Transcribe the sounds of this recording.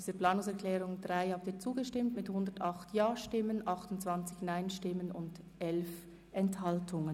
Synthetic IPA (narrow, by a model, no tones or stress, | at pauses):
diːzəpl̥aːnʊŋsɛɐkʰlɛːʁʊŋdʁaɪhaːp̚tiːt͡suːɡəʃtɪmtmɪthʊndətɑχtjaːʃtɪmənʔɑχtʊntt͡sv̥ant͡sɪçnaɪnʃtɪmənʊnd | ʔɛlf | ʔɛnthaltʰʊŋən